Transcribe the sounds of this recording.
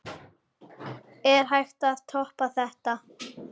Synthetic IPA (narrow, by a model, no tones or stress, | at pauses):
ɛɾ̥ɦajxt̪aðt̪ʰɔhpaθɛht̪a